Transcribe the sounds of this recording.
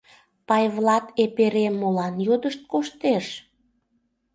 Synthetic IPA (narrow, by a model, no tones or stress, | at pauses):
pɑjβlɑt̪epeɾemːolɑnjod̪əʃt̪̚koʃt̪eʃ